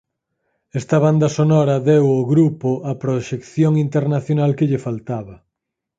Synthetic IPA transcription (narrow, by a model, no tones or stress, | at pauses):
ɛst̪ɐβand̪ɐsonɔɾɐðewoɣɾupoɐpɾoʃekθjoŋint̪eɾnaθjonalkeʎefalt̪aβɐ